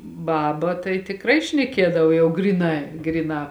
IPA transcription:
ˈbɑːbɐ tɐɪ tʲɪkˈrɐɪ ʃʲnʲɛˈkʲiɛdɐw ˈjɛʊ ˈɡrʲiːˌnɐɪ ˈɡrʲiːˌnɑː

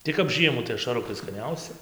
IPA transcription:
tɐɪ kɐp ˈʒʲiɛmuː tɐɪ ɐʃɐˈrʊkɐɪ skɐˈnʲɛʊsʲɪ

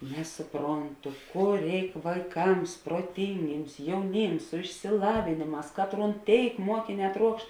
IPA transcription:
ˈnʲæːsʊˌproːnˌtʊ ˈkʊr ˈrʲɛɪk ʋɐɪˈkɐms proːˈtʲɪŋʲɡʲɪms jɛʊˈnʲɪms sʊ ɪʃʲsʲɪˈlˠɑːʋʲeːnʲeːˌmɑːs ˈkɑːtˌruːn ˈtʲeːɪk ˈmuɔkʲɪˌnʲɛː ˈtruɔkʃt

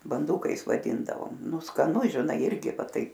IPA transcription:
bɐnˈduːkɐɪs ʋɐˈdʲɪndɐʋoːm ˈnʊ skɐˈnʊ ʒʲɪˈnɐɪ ˈɪrʲɡʲɪ ˈʋɐ ˈtɐɪp

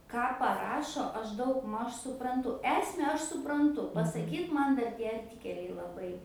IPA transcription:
ˈkɑː pɐˈrɑːʃoː ˈɐʃ ˈdɐʊɡˌmɐʃ sʊprɐnˈtʊ ˈæːsʲmʲɛ ˈɐʃ sʊprɐnˈtʊ pɐsɐˈkʲiːt ˈmɐn ˈdɐr tʲiɛ ɐrʲˈtʲɪkʲɛlʲɛɪ lˠɐˈbɐɪ

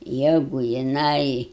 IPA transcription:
ˈjæːɡʊ jɪˈnɐɪ

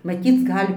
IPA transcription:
mɐˈtʲiːt͡s ˈɡɐlʲ

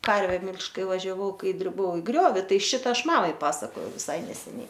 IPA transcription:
ˈkɐrʲʋʲɛ ˈmʲɪlʲʃʲtʲ ˈkɐɪ ʋɐʒʲɛˈʋɐʊ ˈkɐɪ dʲrʲɪˈbɐʊ ɪ ˈɡrʲoːʋʲɪ ˈtɐɪ ˈʃʲɪtɐ ˈɐʃ ˈmɑːmɐɪ ˈpɑːsɐkoːjɛʊ ʋʲɪˈsɐɪ nʲɛsʲɛˈnʲɛɪ

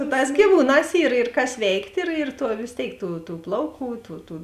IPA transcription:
sʊ ˈtɑːs ɡʲiːˈʋuːˌnɑːs iːr ɪr kɐs ˈʋʲɛɪktʲ ɪr ɪr ˈtuɔ ʋʲeːs ˈtʲeːɪk tuː tuː ˈplˠɐʊˌkuː tuː tuː

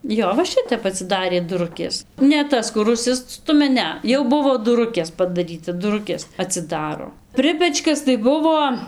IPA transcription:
ˈjoː ʋɐ ˈʃʲɪtʲɛp ɐtʲsʲɪˈdɑːrʲeː dʊˈrʊkʲeːs nʲɛ ˈtɐs kʊr ʊʃʲˈsʲɪstʊmʲɛ ˈnʲɛ ˈjɛʊ ˈbʊʋoː dʊˈrʊkʲeːs pɐdɐˈrʲiːtɐ dʊˈrʊkʲeːs ɐtʲsʲɪˈdɑːroː ˈpʲrʲɪpʲɛt͡ʃkɐs tɐɪ ˈbʊʋoː

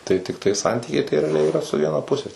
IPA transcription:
tɐɪ tʲɪkˈtɐɪ ˈsɐnʲtʲiːkʲɛɪ tɐɪ rʲɛɐˈlʲɛɪ ɪˈrɐ sʊ ˈʋʲiɛnɐ ˈpʊsʲɛ

